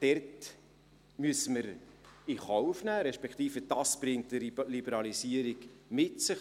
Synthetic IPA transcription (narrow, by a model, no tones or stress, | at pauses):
d̥ɛrt | myəsəməɾiχɔwfnæːɾɛʃpɛkt̪iːfəd̥ɑsb̥ɾɪŋtəɾlibəɾɑlisiəɾiɡmɪtsɪχ